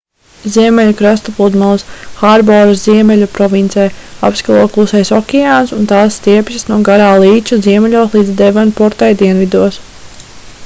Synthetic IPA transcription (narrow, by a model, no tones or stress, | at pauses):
ziɛmɛlukɾast̪ɔpˠud̪malˠsxaɾbɔɾɨsziɛmɛlʲupɾɔvint̪sɛja̰pskalˠuɔklˠusɛjsɔkʲɛaːnsunt̪aːsːt̪iɛpʲsʲisnuɔɡaɾaːlˠiːt͡ʃuziɛmɛlʲuɔslˠiːd̪zd̪ɛvanpɔɾt̪ajd̪iɛnvid̪uɔs